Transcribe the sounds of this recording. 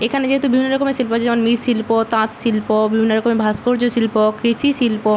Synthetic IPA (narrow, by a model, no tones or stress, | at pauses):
ekʰaned͡ʑeɦet̪ubibʱinːoɾɔkomeʃilpot͡ɕʰed͡ʑɛmonmit̪ʃilpot̪ãt̪ʃilpobibʱinːoɾɔkomebʱaskoɾd͡ʑoʃilpokɾiʃiʃilpo